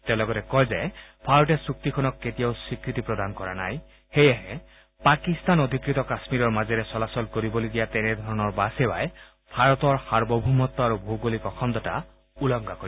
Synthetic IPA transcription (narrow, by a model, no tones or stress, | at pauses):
tɛ̃lɔɡɔtɛkɔjzɛbʱaɹɔtɛsukt̪ikʰɔnɔkːetijaʊsikɹit̪ipɹɔd̪ankɔɹana̰j | xejaɦɛ | pakist̪anod̪ʱikɹit̪ɔkasmiɾɔɹmazɛɾɛsɔlasɔlkoɹibolodijat̪ɛnɛd̪ʱɔɹɔnɔɹbasewa̰j | bʱaɹɔt̪ɔɹhaɹbɔbʱumɔt̪ːɔaɹubʱoɡolikɔxʰɔnd̪ɔta̰ | ulɔŋɡakoɾi